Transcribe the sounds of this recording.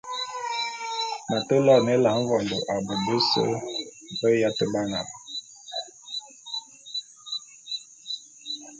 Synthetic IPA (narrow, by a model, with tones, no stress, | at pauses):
na˨tə˦lɔ˦˨ne˦la˨˦m̩˦vɔ˨ndo˨ʔa˨bə˨də˦sə̰˦˨və˦ja˦tə˦ba˦ŋa̰˨b